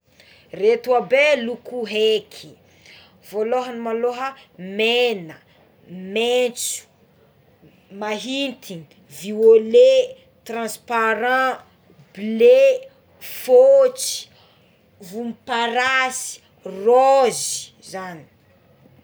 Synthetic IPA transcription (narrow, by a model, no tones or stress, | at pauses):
ret̪uabelukuɦekʰi̥ | voloɦənimaloɦəmenə | met͡su̥ | maɦint̪ʰini | viole | t̪rãspaɾã | ble | fot͡si̥ | vumipaɾasi̥ | rozi̥ | zani̥